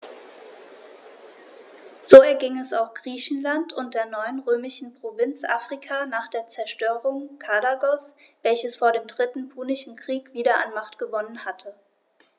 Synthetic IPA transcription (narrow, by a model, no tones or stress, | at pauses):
z̥oːɛɐɡɪŋɛsaʊxɡ̥ʁiːçn̩lantʰʊnt̚d̥eːɐnɔʏənʁøːmɪʃn̩pʁ̥ovɪnt͡sʔaːfʁ̥ikʰaːnaːχd̥eːɐt͡sɛɐʃtøːʁ̞ʊŋkʰadaɡɔs | v̥ɛlçəsfoːɐɾeːmdʁɪtn̩pʰuːnɪʃn̩kʁ̥iːkv̥iːɾɐʔa̰nmaχtɡ̥əvɔnənhatʰə